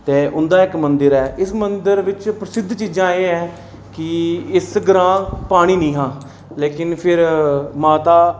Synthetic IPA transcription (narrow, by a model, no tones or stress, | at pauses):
t̪eːʔʊnd̪aːɪkmənd̪əɾɛːʔɪsmənd̪əɾʋɪt͡ʃpɾəsɪd̪ʱt͡ʃiːd͡ʒãːeːɛː | kɪɪsɡɾãːpaːɽ̃iːnĩːɦãː | leːkɪnpʰɪɾmaːt̪aː